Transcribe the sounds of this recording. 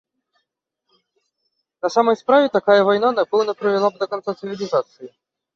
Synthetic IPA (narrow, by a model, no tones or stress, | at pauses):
nɐsaməjspɾavʲɪt̪ɐkajəvɐjnanɐpolˠnəpɾəvʲɪlˠab̚d̪əkɐnt̪sat̪sɨvʲɪlʲɪzat̪sɨɪ